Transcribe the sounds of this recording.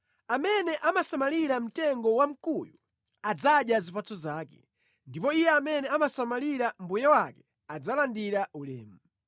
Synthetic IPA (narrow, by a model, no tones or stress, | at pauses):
amɛnɛʔamasamaliɾam̩tɛŋɡɔwam̩kuju | ad͡zaɗjazipat͡sɔzaːkɛ̰ | ndipɔijɛamɛnɛamasamaliɾam̩bujawakɛ | ad͡zalandiɾaulɛ̰ːmu